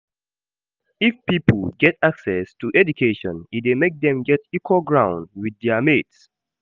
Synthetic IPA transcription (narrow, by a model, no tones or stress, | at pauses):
ifpipl̩ɡɛtaksɛstuʔɛd͡ʒukʰeʃɔ̃nit̚demek̚d̪ɛ̃mɡɛtikʰwoɡɹãʊ̃ndwidðɛəmets